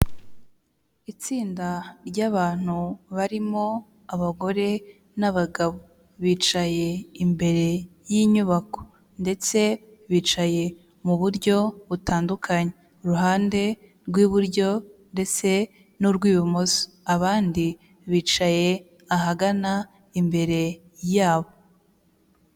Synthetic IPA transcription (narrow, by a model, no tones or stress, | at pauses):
it͡siːndaɾɟaβaːn̥uβaɾimo̞ | aβaɡo̞ɾe̞ | naβaɡaβo̞ | βiːt͡ʃaje̞imbe̞ɾe̞jiɲuβako̞̥ | nde̞t͡se̞ | βiːt͡ʃaje̞ | muβuɾɟo̞βutaːndukʰaɲe | uɾuɦaːnde̞ɾɡwiːβuɾɟo̞nde̞t͡se̞ | nuɾɡwiːβumoso̥ | aβaːndi | βiːt͡ʃaje̞ | aɦaɡana | imbe̞ɾe̞ | jaːβo̞